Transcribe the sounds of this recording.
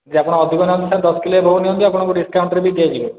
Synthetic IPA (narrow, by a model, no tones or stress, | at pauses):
d͡ʒapɔɽ̃aɔd̪ʱikonanisand̪ɔskileebʱoɦunijond̪iapɔɽ̃akuɖiskawɳʈɾebid͡ʒejed͡ʑibe